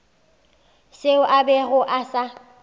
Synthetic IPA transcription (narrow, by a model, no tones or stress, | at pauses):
seʊʔabɛɣʊʔasa